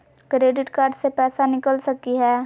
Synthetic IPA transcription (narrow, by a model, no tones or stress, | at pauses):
kɾeːɖɪʈkaːɾɖsepɛːsanɪkəlsɐkiɦɛː